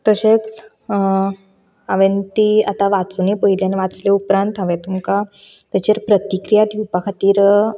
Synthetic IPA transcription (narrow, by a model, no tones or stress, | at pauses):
t̪əɕet͡s | aʋent̪iat̪aʋat͡sunepəɦiljaneʋat͡sleupɾãnt̪ɦə̃ʋẽt̪umka | t̪at͡ɕeɾpɾət̪ikɾijad̪ʱjupakʰat̪iːɾ